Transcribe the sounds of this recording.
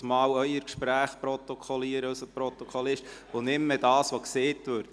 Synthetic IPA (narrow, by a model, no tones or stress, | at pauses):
smɑːwœʏəɾkʃpɾæːχpɾɔt̪ɔkʰɔliəɾəœsəpɾɔt̪ɔkʰɔlɪʃtonɪmːedɑːsʋokseːtʋøːɾd